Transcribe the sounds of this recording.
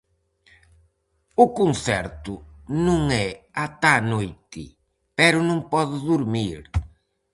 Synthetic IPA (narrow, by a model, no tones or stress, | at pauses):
ʊkonθɛɾt̪ʊnũŋɛat̪anojt̪ɪ | pɛɾʊnõŋpɔðʊðuɾmiɾ